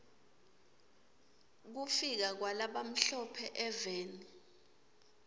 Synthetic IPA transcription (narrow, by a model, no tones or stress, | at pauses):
k̬ufik̬ak̬walaɓam̩ɬɔpʰɛʔɛveːni